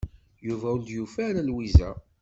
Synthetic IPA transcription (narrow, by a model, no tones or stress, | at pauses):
juvæuld̪jufæɾælwizæ